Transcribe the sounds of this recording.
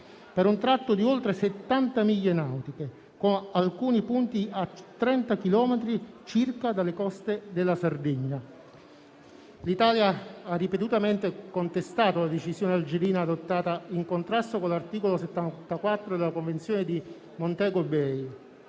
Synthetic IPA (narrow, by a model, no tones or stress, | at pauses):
peɾunt̪ɾat̪ːod̪iolt̪ɾeset̪ːant̪amiʎːenawt̪ike | konalkuːnipunt̪iat̪ːɾɛnt̪akilɔːmet̪ɾit͡ʃirkad̪alːekɔst̪ed̪elːasard̪iɲːa | lit̪aːljaarːipet̪ut̪ament̪ekont̪est̪aːt̪olad̪et͡ʃisjoːneald͡ʒeɾiːnaːd̪ot̪ːaːt̪aiŋkont̪ɾast̪okolːart̪iːkoloset̪ːat̪akwat̪ːɾod̪elakoɱvent̪sjoːned̪i | mont̪ɛːɡobɛj